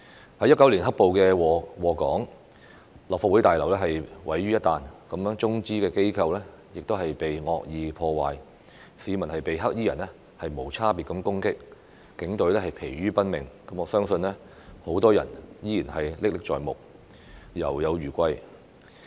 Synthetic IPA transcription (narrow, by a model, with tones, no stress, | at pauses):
hɐ˨˥jːɐ˥tkːɐ˨˥wli˨˩nɦɐ˥k̚po˨wkɛː˧wwɔː˨˩kɔː˨˥ŋ | lɔː˨faː˧t̚u˨˥jt̪aː˨jlɐ˨˩wlɛː˥ɦɐ˨jwɐ˨˥jɥyː˥jɐ˥t̪aː˨nkɐ˨˥mjŋt͡sʊ˥ŋt͡siː˥kɛː˧ke˥jkʰɐ˧wlɛː˥ | jɪ˨k̚t̪o˥whɐ˨jpe˨jŋɔː˨˧k̚jiː˨˧pʰɔː˧waː˨j | siː˨˧mɐ˨˩nhɐ˨jpe˨jɦɐ˥k̚jiː˥jɐ̰˨˩nɛ˥ | hɐ˨jmo˨˩wt͡sʰaː˥piː˨tkɐ˨˥mkʊ˥ŋkɪ˥k̚ | kɪ˨˥ŋt̪ɵ˨˥lɛː˥hɐ˨jpʰe˨˩jɥyː˥pɐ˥nmɪ˨˩ŋkɐ˨˥mɔː˨˧sœː˥ŋsɵ˧nlɛː˥ | ho˨˥wt̪ɔː˥jɐ̰˨˩njiː˥jiː˨˩nhɐ˨jlɪ˥k̚lɪ˥k̚t͡ʃɔ̰ː˨jmʊ̰˨k̚ | jɐ̰˨˩wjɐ˨˧wɥyː˨˩kʷɐ˧j